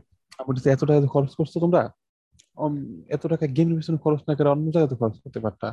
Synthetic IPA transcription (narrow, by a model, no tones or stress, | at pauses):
amʈiseɛt̪oʈakat̪okʰɔɾot͡ɕkoɾt͡ɕʰot̪omɾa | ɛt̪oʈakaɡemiɾbiʃonekʰɔɾot͡ɕnakaɾeɔnːod͡ʑaɡat̪okʰɔɾot͡ɕkoɾt̪epaɾt̪ʰa̰